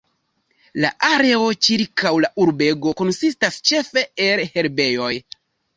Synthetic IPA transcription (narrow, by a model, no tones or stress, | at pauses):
la̰ʔaɾe̞o̞t͡ʃiɾkawlaʔuɾbe̞ɡo̞ko̞nsistast͡ʃe̞fe̞elhe̞ɾbe̞jo̞j